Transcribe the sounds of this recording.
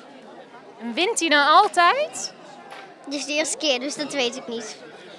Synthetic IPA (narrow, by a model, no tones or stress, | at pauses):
ɛnʋɪntinawɑlˠtɛjt | dɪsdɪːstə̥kɪːdəsdɑtʋejtɪknit